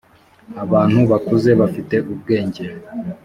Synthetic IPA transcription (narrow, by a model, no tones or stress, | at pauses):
aβaːn̥huβakuze̞βafite̞ʔub̚ɡeːɲɟeɾe